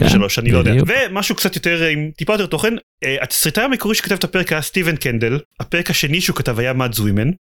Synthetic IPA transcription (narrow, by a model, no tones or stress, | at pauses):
ʃalo̞ʃanilojdeaavemaʃuːkt͡ssat̪joteʁimt̪ipajot̪e̞ʁt̪o̞χen | eat̪sʁit̪aamikoiʃe̥kḁtavetʰape̞ʁekast̪ivenkendelhapeʁekaʃe̞niʃukatavajamadzwimen